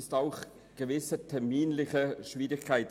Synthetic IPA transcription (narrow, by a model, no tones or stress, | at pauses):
staʊχ | ɡ̥əvɪsətʰɛɐmiːnlɪχəʃviːɾɪçkʰaɪt